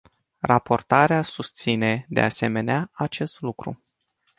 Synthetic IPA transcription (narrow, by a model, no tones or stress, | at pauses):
rapo̞rt̪aɾeasust̪sine̞d̪ḛase̞me̞neaat͡ʃe̞st̪lukɾṵ